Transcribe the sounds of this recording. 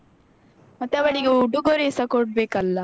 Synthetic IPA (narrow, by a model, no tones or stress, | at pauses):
mɐt̪ːeɐʋɐɳiɡeuɖuɡoɾesɐkoɖ̚beːkɐlːɐ